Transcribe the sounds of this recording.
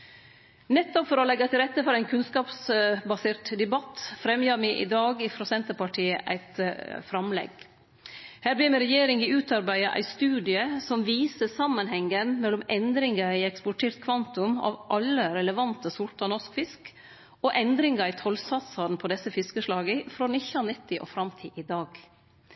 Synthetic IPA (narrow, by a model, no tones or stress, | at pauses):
nɛt̪ːɔpfɔɾɔlɛɡːɑt̪ʰɪlɾɛt̪ːəfɔɾæɪnkʰʉnskɑːpsbɑseːɾʈd̪ɛbɑt̪ːfɾɛmjɑːmɪʔɪ̰d̪ɑːɡɪfɾɔsɛnt̪əpɑʈʰiːə̰ʔæ̰ɪt̪fɾɑmlɛ̰ɡ | hæːɾbliːmɛɾɛjeːɾɪŋɪʉːt̪ɑɾbæɪɑʔæ̰ɪst̪ʉːd̪ɪəsɔmʋiːsəsɑmːənhɛŋːənmɛlːɔmɛnd̪ɾɪŋɡɑæɪɛkspɔʈʰeːɾt̪kʰʋɑnt̪ʊmɑ̰ʋʔɑlːəɾɛləʋɑnt̪əsʊɾʈɑnɔskfɪsk | ɔʔɛnd̪ɾɪŋɡɑɪt̪ʰɔlsɑt̪sɑd̪n̩pʰɔd̪ɛsːəfɪskəʂlɑːɡəfɾoːnɪçɑnɪt̪ʰːɪʔo̰fɾɑmt̪ʰiːʔɪd̪ɑːɡ